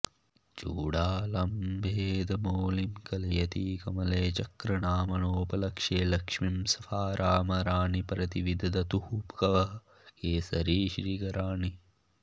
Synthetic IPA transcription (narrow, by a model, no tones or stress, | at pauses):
t͡ʃuːɽaːlɐmbʱeːd̪ɐmoːlimkɐlijɐt̪iːkɐmɐleːt͡ʃɐkɾɐɳaːmɐnoːpɐlɐkʂeːlɐkʂmimsɐfaːɾʔaːmɐɾaːɳipɾɐt̪iʋid̪ɐd̪ɐt̪uhupkɐʋɐɦ | keːsɐɾiːʃɾiːɡɐɾaːɳi